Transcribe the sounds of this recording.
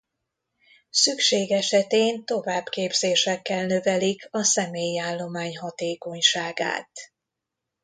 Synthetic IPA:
sykʃeːɡɛʃɛt̪eːnt̪o̞vaːbkeːbzeːʃɛkːɛlnøvɛlikʰɒsɛmeːjiaːlːo̞maːɲɦɒt̪eːko̞ɲʃaːɡa̰ːt̪

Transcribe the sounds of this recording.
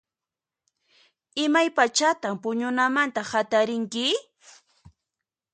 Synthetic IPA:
ɪmajpat͡ʃat̪ampʊɲʊnamant̪ahat̪aɾɪŋkɪ

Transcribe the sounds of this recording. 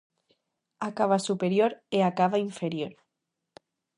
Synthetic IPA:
akaβasupeɾjoɾeakaβaiɱfeɾjoɾ

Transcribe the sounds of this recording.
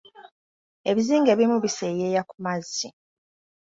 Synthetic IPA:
e̞βiziːŋɡe̞ːβimuβisejeːjakumazːi

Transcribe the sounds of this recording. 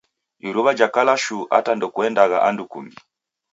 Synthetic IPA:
iɾuβad͡ʒakalaʃuʔa̰tandɔkuɛndaɣaʔandukumbi

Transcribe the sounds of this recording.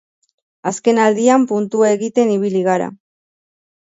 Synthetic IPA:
aske̞nald̪iampunt̪uaeɣit̪e̞niβiliɣ̞aɾa̰

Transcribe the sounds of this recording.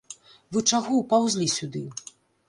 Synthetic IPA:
vɨt͡ʂaɣɔwpawzʲlʲisʲud̪ɨ

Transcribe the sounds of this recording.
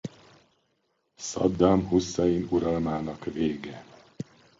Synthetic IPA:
sɒ̰d̪ːɒmɦusːɒjinuɾɒlmaːnɒkveːɡɛ

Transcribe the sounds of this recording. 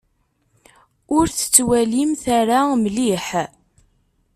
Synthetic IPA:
ʊɾθə̥t͡sːwælimθaɾaməliħ

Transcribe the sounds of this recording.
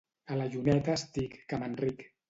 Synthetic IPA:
ələʒunɛt̪əːst̪ikːamənrik

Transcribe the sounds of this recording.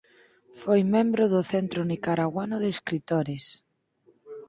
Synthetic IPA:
fojmẽmbɾoðʊθent̪ɾonikaɾaɣwanʊðeeskɾit̪oɾes

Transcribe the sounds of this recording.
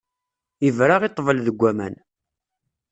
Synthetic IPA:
ivɾaʁit̪ˤːvəlðəɡʷːæmæ̰n

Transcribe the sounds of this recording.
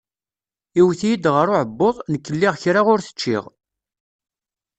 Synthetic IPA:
iwθijid̪ʁəɾʊʕəbːoðˤnəkːəlːɪʁçɾaʁʊɾθə̥t͡ʃːɪ̰ʁ

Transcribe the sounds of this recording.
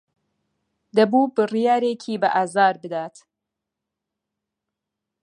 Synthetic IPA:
d̪ɐbuːbɨrijaːɾeːkʰiːbɐʔaːzaːɾbɨd̪aːt̪

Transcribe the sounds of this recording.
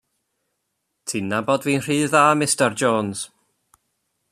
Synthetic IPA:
tʰinabɔdviːnr̥iːððaːmɪstərd͡ʒoːnz̥

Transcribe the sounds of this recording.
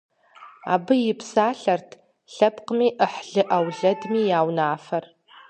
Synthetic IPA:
a̰ːbɨjɪpʰsaːɬɐrtʰ | ɬɐpqəmiːʔəħɮɨʔɐwɮɐdmiːjaːwnaːfɐr

